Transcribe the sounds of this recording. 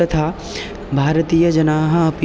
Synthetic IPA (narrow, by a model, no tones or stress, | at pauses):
ɐt̪ʰaː | bʱaːɾət̪iːjɐd͡ʒɐnaːɦɐɐp